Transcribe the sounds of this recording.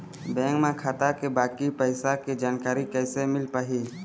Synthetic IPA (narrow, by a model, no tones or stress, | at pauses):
bɛ̃ːŋkmẽkʰaːt̪akebaːkipəɪsaked͡ʒaːnkaːɾikɛːsemɪlpaːɦiː